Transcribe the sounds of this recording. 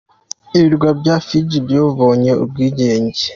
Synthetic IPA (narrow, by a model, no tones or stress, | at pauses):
iβiɾɡwabɟafid͡ʒibjoːvoːɲe̞ṵb̚ɡiːɟeːɲɟe